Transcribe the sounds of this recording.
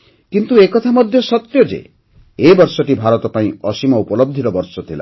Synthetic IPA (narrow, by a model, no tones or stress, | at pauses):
kint̪uekɔt̪ʰamɔd̪ʱjosɔt̪jod͡ʒḛ | ebɔɾsɔʈibʱaɾɔt̪ɔpaĩɔsimɔupɔlob̚d̪ʱiɾɔbɔɾsɔt̪ʰila̰